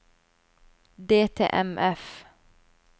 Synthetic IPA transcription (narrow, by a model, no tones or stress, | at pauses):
d̪eːt̪ʰḛːʔɛmʔɛf